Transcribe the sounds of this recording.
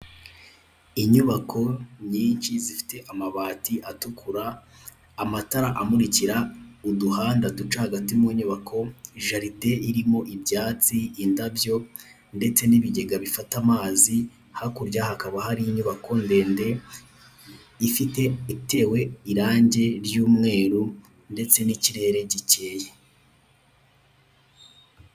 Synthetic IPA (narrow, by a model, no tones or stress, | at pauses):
iɲuβakʰo̞ɲiːnt͡ʃizifi̥te̞ʔamaβaːtiʔatukʰuɾaː | mataɾaʔamuɾiciɾauduhaːndadut͡ʃahaɡatimuɲuβakʰo̞iʒaɾide̞iɾimo̞ʔibjaːt͡siːndabjo̞ | nde̞t͡se̞niβiɟe̞ɡaβifatamaːzi | hakuɾɟahakaβahaɾijiɲuβakʰo̞nde̞ːnde̞ | ifite̞ite̞ːwe̞iɾaːɲɟe̞ɾjuːmŋe̞ːɾu | nde̞t͡se̞niciɾe̞ːɾe̞ɟice̞je